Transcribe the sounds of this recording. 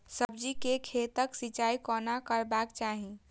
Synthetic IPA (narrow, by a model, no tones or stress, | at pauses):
səbd͡ʒikekʰet̪əksit͡ʃaikɔnakəɾbakt͡ʃaɦi